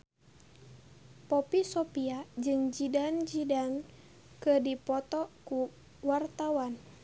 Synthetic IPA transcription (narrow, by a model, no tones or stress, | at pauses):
pɔpisɔpiad͡ʒɨŋd͡ʒidand͡ʒidan | kədipɔt̪ɔku | wart̪awan